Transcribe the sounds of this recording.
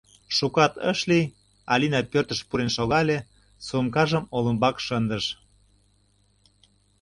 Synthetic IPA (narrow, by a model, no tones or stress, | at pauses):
ʃukɑt̪ə̰ʃlij | ɑ̰lʲinɑt̪̚pørt̪ə̆ʃpuɾenʃoɣɑlʲe | sumkɑʒəmolə̆mbɑkʃənd̪əʃ